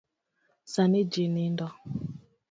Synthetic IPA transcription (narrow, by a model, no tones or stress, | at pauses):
sanid͡ʒinindɔ